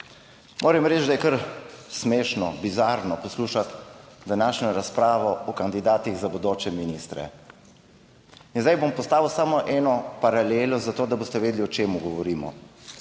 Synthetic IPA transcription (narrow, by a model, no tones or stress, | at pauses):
mʔoːɾɛmɾɛːt͡ʃd̪ajɛkɐɾsmeːʃnɔbizaːɾnɔpɔsluːʃat̪d̪anaːʃɲɔɾaspɾaːʋɔɔkand̪id̪aːt̪iɣzabɔd̪oːt͡ʃɛminist̪ɾɛ̰ | inzd̪ajbompɔst̪aːʋəwsaːmɔʔɛːnɔpaɾaleːlɔzat̪oːd̪abost̪ɛʋeːd̪liɔt͡ʃeːmuɡɔʋɔɾiːmɔ̰